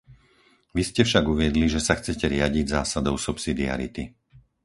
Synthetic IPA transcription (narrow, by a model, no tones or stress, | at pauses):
ʋiscɛfʃaɡuʋɪɛd̪liʒɛsaxt͡sɛcɛɾɪaɟiɟzaːsad̪ɔʊsupsid̪ia̰ɾḭt̪i